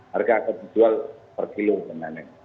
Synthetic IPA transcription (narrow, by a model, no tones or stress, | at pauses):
harɡaːkat̪̚d̪id͡ʒualpərkilubənanɛ